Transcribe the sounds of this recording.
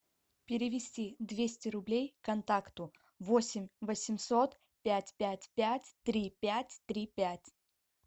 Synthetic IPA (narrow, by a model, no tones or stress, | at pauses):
pʲɪɾʲɪvʲɪsʲtʲid̪vʲesʲtʲɪɾʊblʲejkɐnt̪akt̪ʊ | vosʲɪmʲvəsʲɪmsot̪ | pʲætʲpʲætʲpʲætʲt̪ɾʲipʲætʲt̪ɾʲipʲætʲ